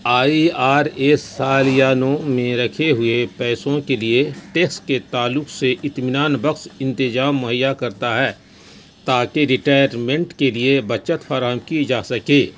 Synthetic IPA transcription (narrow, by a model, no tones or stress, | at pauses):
aːiaːɾeːsaːlijaːnõmẽɾɐkʰeɦʊepɛːsõkelieʈeːksʈket̪aːlʊkseʔɪt̪mɪnaːnbɐkʃɪ̃nt̪ɪd͡ʒaːmːʊɦəjːakɐɾt̪aɦɛː | t̪aːkeɾɪʈaːjəɾmẽɳʈkeliebɐt͡ʃət̪fʰaːɾaːɦəmkid͡ʒaːsɐkeː